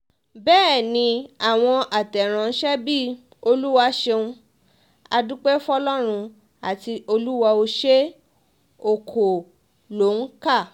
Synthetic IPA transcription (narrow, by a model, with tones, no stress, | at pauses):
bɛː˦˨nĩ˧a˨w̃ɔ̃˧ʔa˨tɛ˨ɾ̃ã˨n̩˦ʃɛ˦bi˦ | o˧lu˦wa˧˦ʃe˧ũ˧ | a˧du˦k͡pe˦fɔ˦lɔ˦ɾ̃ũ˧ | a˨ti˧o˧lu˦wa˧o˧ʃe˦ | o˨kʰo˨ | lo˨˦ŋ̩˦ka˦˨